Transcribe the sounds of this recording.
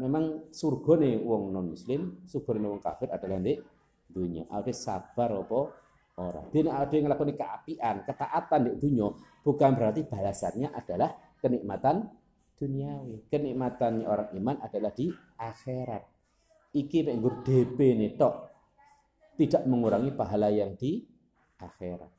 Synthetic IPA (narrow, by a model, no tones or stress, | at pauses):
memaŋsurɡ̥ɔ̤newɔŋnɔnmuslɪmsurɡ̥ɔnenewɔŋka̰fɪrad̥alahnd̪eʔ | d̪̥uɲɔ̰ʔa̰d̥esa̰b̥a̤ɾɔpɔ | oɾa̰d̪̥eneade̤ŋəlakunekəʔa̰piʔankət̪aʔat̪andeʔd̪̥uɲɔb̥ukanbəɾart̪ib̥a̤lasanɲaʔad̥alah | kəniʔmat̪an | d̪̥uniawekəniʔmat̪anʔoɾaŋimanʔad̥alahd̥i | ʔaxeɾat̪̚ | ikimeʔŋɡʊrd̥ebenet̪ɔʔ | t̪idaʔməŋuɾaŋipaɦalajaŋd̪̥i | ʔaxeɾa̰t̪̚